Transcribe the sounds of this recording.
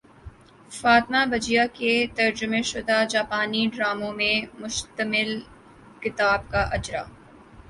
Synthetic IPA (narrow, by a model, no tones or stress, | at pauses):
faːt̪mabɐd͡ʒijaket̪ɐɾd͡ʒʊmeʃʊd̪ad͡ʒaːpaːniɖɾaːmõmẽmʊʃt̪əmɪl | kɪt̪aːb̚kaʔɐd͡ʒɾa̰ː